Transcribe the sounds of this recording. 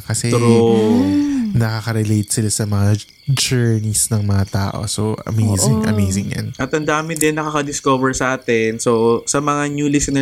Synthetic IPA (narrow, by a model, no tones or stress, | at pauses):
kɐsɛɾo | nɐkɐkɐɾɛlejt̪̚sɪlasɐmɐŋa | d͡ʒɛɹnisnɐŋmɐŋat̪a̰ːʔo̞̰soʔɐ̰mejzɪŋʔɐ̰mejsɪŋjɐ̰nʔɐt̪ɐnd̪aːmɪd̪ɛnːɐkɐkɐd̪ɪskovɛɹsɐʔaːt̪ɛnsosɐmɐŋanjuːlɪsnɛ